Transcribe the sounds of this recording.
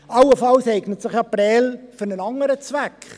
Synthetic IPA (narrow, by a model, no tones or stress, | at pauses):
awəfɑlsɛɪɡnətsɪχapɾɛːlfʏnənɑŋəɾət͡svɛk